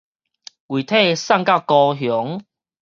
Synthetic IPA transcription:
wi˨˩t̪ʰe˥˨sa˥˧˨ŋka˥˧˩kɔ˧ɦjɔ˨˦ŋ

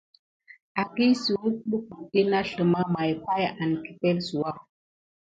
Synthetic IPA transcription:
a˨ki˦si˨wu˦ɓu˦ku˨ɗe˦na˦ɬə˨ma˦ma˨jpa˦ja˨nki̥˨pɛ˦lsu˨wa˦

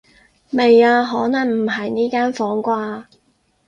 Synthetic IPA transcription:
me˨jaː˧ɦɔː˨˥nɐ˨˩ŋm̩˨˩ɦɐ˨jniː˥kaː˥nfɔː˨˥ŋkʷaː˧

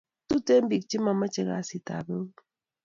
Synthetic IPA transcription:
tu˦te˦m̩˦bi˨k̚t͡ʃi˦ma˨ma˦t͡ʃe˨ŋa̰˨˦si˨ta̰˨be˦

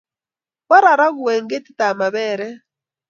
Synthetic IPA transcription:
βa˦ɾa˨ɾa˦ɣu˨ɛ˨ŋɡe˦ti˦ta˨ma˨βɛ˨ɾɛ˦

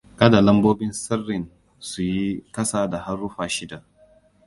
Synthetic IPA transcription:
kɐ˦da˨lɐ˦mboː˦bɪ˦nsɐ˦rːɪ˨n | su˨ji˦kɐ˦saː˨da˨ha˦rːʊ˦ɸaː˨ʃɪ˦da˨ʔ

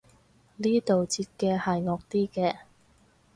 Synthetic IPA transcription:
niː˥t̪o˨wt͡sʰiː˧t̚kɛː˧hɐ˨jŋɔː˨k̚t̪iː˥kɛː˧

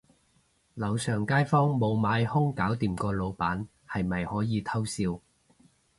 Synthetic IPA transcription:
lɐ˨˧wsœː˨˩ŋkaː˥jfɔː˥ŋmo˨˧wmaː˨˧jhʊ˥ŋkaː˨˥wt̪iː˨mkɔː˧lo˨˧wpaː˨˥n | hɐ˨jmɐ˨jhɔː˨˥jiː˨˧t̪ʰɐ˥wsiː˧w

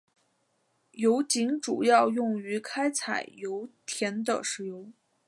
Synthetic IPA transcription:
jo˧˥ʊt͡ɕi˧˥ŋʈ͡ʂu˨˩jɑ˥˧ʊjʊ˥˩ŋy˧˥kʰa˥ɪt͡sʰa˨˩ɪjo˧˥ʊt̪ʰjɛ˧˥nd̪ə̰˧ʂɻ̩˧˥jo˧˥ʊ

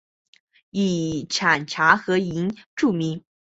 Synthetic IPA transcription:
i˨˩ʈ͡ʂʰa˨˩nʈ͡ʂʰa˧˥xɤ˧˥i˧˥nʈ͡ʂu˥˩mi˧˥ŋ

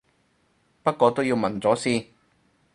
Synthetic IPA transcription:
pɐ˥t̚kʷɔː˧t̪o˥wji˧wmɐ˨˩nt͡sɔː˨˥siː˥

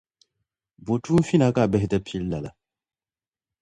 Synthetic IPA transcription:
bo˨tʰu˦fi˦na˦ka˦˨bɛ˦ɦɛ˨tɛ˦pʰi˦lːa˨la̰˨

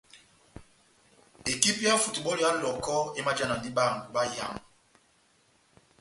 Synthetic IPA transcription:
e˨ki˦pa˦fu˨tu˨ɓɔ˦ɾi˨˦a˦lɔ˨kɔ˦e˦ma˦d͡ʒa˦na˨ndi˦ɓa˦˨ŋ̩˨ɡu˨ɓa˦ja̰˨ŋ

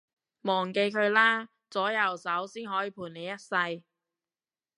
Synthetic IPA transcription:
mɔː˨˩ŋke˧jkʰɵ˨˧ɥlaː˥ | t͡sɔː˨˥jɐ˨˩wsɐ˨˥wsiː˥nhɦɔː˨˥jiː˨˧˥pʰuː˨˩ne˨˧jɐ˥t̚sɐ˧j

